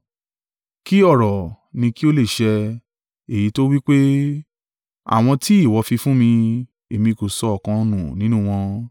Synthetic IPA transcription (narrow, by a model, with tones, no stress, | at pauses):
ki˦ɔ˦˨ɾɔ˨ | nĩ˧ki˦o˦le˦˨ʃɛ˧ | e˨ji˨˦to˦wi˦k͡pe˦ | a̰˨w̃ɔ̃˧ti˦i˦˨wɔ˨˧˦fi˧fũ˦mĩ˧ | e˨mĩ˧˨ko˨sɔ˧ɔ˨kã˧o˧nũ˨nĩ˦nũ˦w̃ɔ̃˧